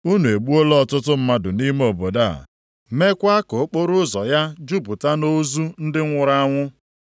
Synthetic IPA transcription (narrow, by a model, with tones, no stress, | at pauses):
u˦nu˨e˨ɡ͡bu˦o˦lɔ˦˨tʊ˦tʊ˦m̩˦ma˦dʊ˨ni˦m˦o˨bo˨da˦a̰˨ | me˦kʷa˦ko˨˦k͡po˦ɾʊ˦zɔ˨ja˦d͡ʒu˦bu˨ta˦no˦zu˦n̩˦dɪ˦ŋʷʊ˨ɾa˦ŋʷʊ˦